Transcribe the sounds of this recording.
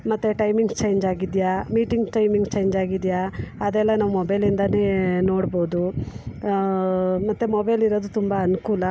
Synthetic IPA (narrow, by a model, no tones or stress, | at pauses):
mɐt̪ːeʈɐjmiŋɡt͡ʃejɲd͡ʒaːɡid̪jaːmiːʈiŋɡʈɐjmiŋɡt͡ʃejɲd͡ʒaːɡid̪jaɐd̪ɛlːɐnaːʋumɔbɐjlind̪ɐneːno̞ːɽboːd̪u | mɐt̪ːumobɐjliɾoːd̪ut̪umbɐɐnukuːlɐ